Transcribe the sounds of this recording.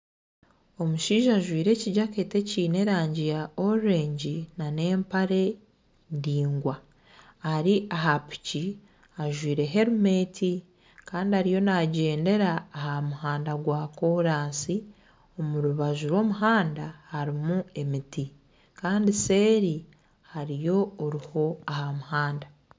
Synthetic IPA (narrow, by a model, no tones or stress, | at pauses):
o̞muʃiːʒaʒwiːɾe̞ːciɟake̞ːte̞ciːne̞ɾaːɲɟijaoɾe̞ːɲɟinane̞ːmpaɾe̞ | ndiːŋɡwaː | ɾiaɦapi̥ci | aʒwiːɾe̞ɦe̞ɾume̞tʰi | kaːndihaɾijo̞naɟe̞ːnde̞ɾaːhamuhaːndaɡwaːko̞ɾaːnsi | o̞muɾuβaʒuɾwo̞ːmuɦaːndahaɾimue̞miti | kaːndise̞ːɾi | haɾijo̞oɾiho̞ahamuhaːnda